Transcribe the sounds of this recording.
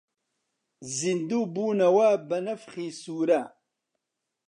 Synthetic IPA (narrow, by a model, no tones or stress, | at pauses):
zind̪uːbuːnɐwabɐnɐfχiːsuːɾa